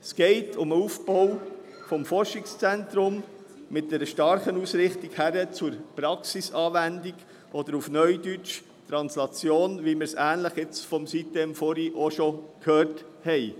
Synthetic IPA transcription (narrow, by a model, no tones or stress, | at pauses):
sɡ̥ɛɪtʰʊməufbɔʊ | fɔmfɔɾʃɪkst͡sɛntɾʊm | mɪt̚d̥̪ɛɾəʃtɑɾχənusɾɪχtikhæɾət͡sʊɾpɾɑksisɑːʋændiɡ | ɔd̥̪əɾufnœʏdyt͡ʃ | t̪ɾɑnslɑt͡sjoːnʋimɪɾsæːnləχɪt͡sfɔmsit̪emfɔɾiʔɔʃɔkhøːrt | hɛɪ